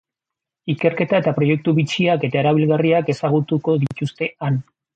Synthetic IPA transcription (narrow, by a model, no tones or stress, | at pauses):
ike̞ɾke̞t̪ae̞t̪apɾo̞je̞k̚t̪uβit͡siake̞t̪aeɾaβ̞ilɣariake̞saɣ̞ut̪uko̞ðit̪ust̪e̞an